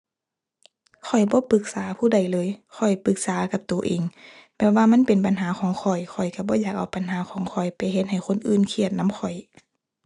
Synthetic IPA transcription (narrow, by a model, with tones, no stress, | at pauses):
kʰɔ˨˩jbɔː˧˦pɯ˧˦k̚saː˨˦pʰuː˧˩da˧˩jlɤː˧˦jkʰɔ˨˩jpɯ˧˦k̚saː˨˦ka˧˦p̚t̪uː˨ʔeː˨ŋpɛː˧˩p̚waː˧ma˧˥˨npe˨˦npa˨nɦaː˨˦xʰɔː˨˦ŋkʰɔ˨˩jkʰɔ˨˩jka˧˩bɔː˧˦jaː˨˩k̚ʔa˧˩wpa˨nɦaː˨˦kʰɔː˨˦ŋkʰɔ˨˩jpa˨jɦe˧t̪̚ha˨˩jkʰo˧˥˨nʔɯː˧˩nkʰi˧˩ət̪̚na˧˥mkʰɔ˨˩j